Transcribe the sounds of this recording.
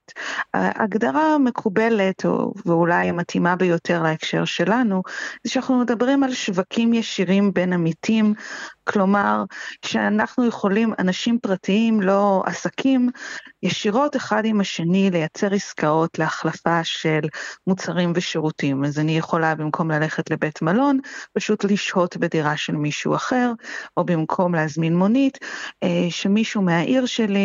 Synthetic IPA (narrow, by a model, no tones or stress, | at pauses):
a̰ʔa̰ɡdaʁame̞kʰube̞le̞to̰veulajamatimabejo̞tʰe̞ʁlaekʃe̞̰ʁʃe̞lanuzeʃanaχnume̞dabʁimalʃvakʰimjeʃiʁimbe̞namitʰimkʰlo̞maʁʃeanaχnujeχo̞lima̰naʃimpʁatiimlo̞a̰sakʰimjeʃiʁo̞teχadimaʃe̞nile̞jat͡seʁiskao̞tleaχlafaʃe̞lmut͡saʁimveʃeʁutimazanijeχo̞labimkʰo̞mlale̞χetle̞be̞tmalo̞npaʃutliʃho̞tbediʁaʃelmiʃṵaχe̞ʁʔobimkʰo̞mleazminmo̞nit | ʃemiʃumeaʔiʁʃeli